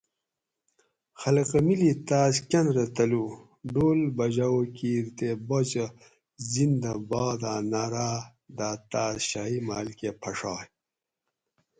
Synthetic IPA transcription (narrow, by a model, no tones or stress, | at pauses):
xɐlɐqɐmilit̪aːskʲɐnɾɐt̪ɐlu | ɖoːlbɐd͡ʑawokiːɾt̪ebot͡ɕɐ | zind̪ɐbaːd̪aːnaɾaː | d̪aːt̪aːzɕaɦimaːlkepʰɐʂaːj